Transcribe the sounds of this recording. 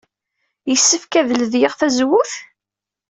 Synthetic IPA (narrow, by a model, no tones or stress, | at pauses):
jəsːəfkæðələðjəʁθæzwʊθ